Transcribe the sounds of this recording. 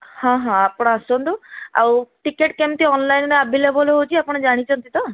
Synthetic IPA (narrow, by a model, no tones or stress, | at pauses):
hãɦãapɔɽ̃aasɔnt̪ua̰wʈikeʈkemt̪iɔnlajnɾabʱilebɔloɦot͡ʃʰiapɔɽ̃ɔd͡ʒaɽ̃it͡ʃʰɔnt̪it̪ɔ